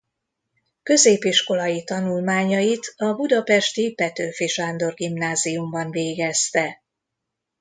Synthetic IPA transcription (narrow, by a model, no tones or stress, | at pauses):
kø̞zeːpiʃko̞lɒjit̪ɒnulmaːɲɒjit̪ɒbud̪ɒpɛʃt̪ipɛt̪øːfiʃaːnd̪o̞rɡimnaːzijumbɒnveːɡɛst̪ɛ